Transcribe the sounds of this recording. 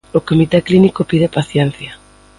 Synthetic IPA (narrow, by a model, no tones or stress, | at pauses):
okomit̪eklinikopið̞epaθjɛn̟θja